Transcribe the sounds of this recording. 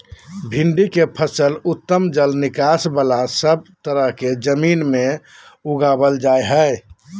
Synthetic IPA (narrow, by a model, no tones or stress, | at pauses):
bʱɪnɖikepʰəsəlʊt̪ːəmd͡ʒəlnɪkasbəlasəb̚t̪əɾəɦked͡ʒəmiːnmẽ | uɡabəld͡ʒaeɦə